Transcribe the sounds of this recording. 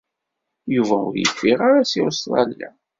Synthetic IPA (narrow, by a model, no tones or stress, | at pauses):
juvæʊ̰ɾjə̰fːiʁaɾasisˤlˤɑ̰lːæ̰